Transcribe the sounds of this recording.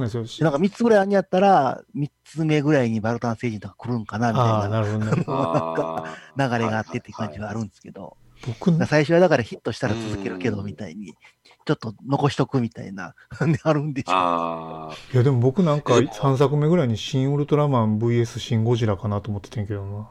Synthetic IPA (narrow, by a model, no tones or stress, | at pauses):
nasjonãŋkamʲit͡sɨɡɯ̟ɾaiaɲ̟ʲiat̪ːaɾamʲit͡sɨme̞ɡɯ̟ɾaiɲ̟ibaɾɯ̟t̪ãɰ̃se̞ːʑĩnt̪okḁkɯ̟ɾɯ̟̃ŋkanamʲiatananaɾɯ̟hod̪ononãŋkanaɡaɾe̞ɡaːt̪ːe̞t̪ːejɯkãɲ̟d͡ʑiɡaːɾɯ̟̃nd̪esɨ̥ke̞d̪o̞̰ | b̥o̞kɯ̟aasaiɕo̞βad̪akaɾaçit̪ːo̞ɕi̥t̪aɾat͡sɨzɨke̞ɾɯ̟ke̞d̪o̞mʲit̪aḭɲ̟i | t͡ɕo̞t̪ːo̞no̞ko̞ɕi̥t̪o̞kɯ̟mʲit̪a̰ḭna̰ | nd̪eaɾɯ̟̃nd̪e̞ɕo̰ | jad̪e̞mo̞bo̞kɯ̟nãŋkasãɰ̃s̬akɯ̟me̞ɡɯɾaiɲ̟iɕĩɰ̃ɯɾɯ̟t̪oɾamãmbɯ̟ie̞sɨɕĩŋɡo̞ʑiɾakanat̪oːmot̪ːe̥t̪ẽŋke̞d̪oma